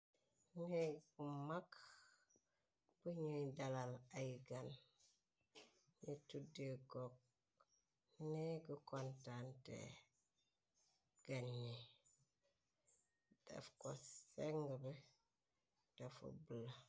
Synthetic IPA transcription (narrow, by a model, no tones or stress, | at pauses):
niɡumak | b̥uɲidalalaiɡan | nitudeɡok̚ | niɡukontantḛ | ɡ̥anːi | d̥a̰fkoseŋɡbe | d̥afo̰bula